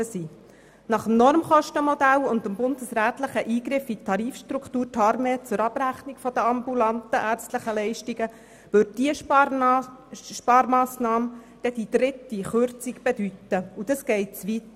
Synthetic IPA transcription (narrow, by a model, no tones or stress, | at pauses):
əsiː | nɑχəmnɔɾmχɔʃtəmɔd̪ælʊnd̪əmbʊnd̥̪əsɾæːt̪ləχəʔiːɡɾɪfit̪ʰɑɾiːfʃtɾukχt̪uːɾtʰɑɾmeːt͡sʊɾɑb̥ɾæχnikfɔd̥̪əɑmbulɑnt̪əʔæːɾt͡stləχəlɛɪʃtiɡə | ʋʏɾd̚d̥iə | ʃpɑːɾmɑːsnɑːm | d̥ɛd̥id̪̥ɾɪtːiχøɾt͡siɡb̥ed̥̪ytəud̥̪ɑsɡ̥ɛɪtsʋit̪